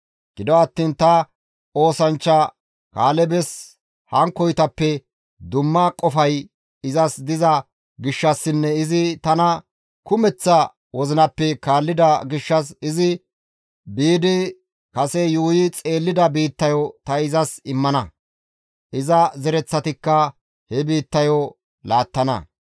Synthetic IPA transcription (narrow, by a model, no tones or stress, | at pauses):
ɡ̥ɪd̪ɔɐt̪ːiːnt̪ɐ | o̞ːsɐnt͡ʃːɐ | kaːlɛbɛs | hɐŋkːɔjt̪ɐpːɛ | d̪ʊmːɐkʼɔfɐj | ɪzɐsd̪ɪzɐ | ɡɪʃːɐsːɪnːɛɪzɪt̪ɐnɐ | kʊmɛt͡sːɐ | wɔzɪnɐpːɛkaːlːɪd̪ɐɡɪʃːɐs̬ɪzɪ | biːd̪ɪ | kɐsɛjuːjɪt͡sʼe̞ːlːɪd̪ɐbiːt̪ːɐjɔt̪ɐɪzɐsɪmːɐnɐ | ʔɪzɐzɛɾɛt͡sːɐt̪ɪkːɐ | hɛbiːt̪ːɐjɔ | laːt̪ːɐnɐ̰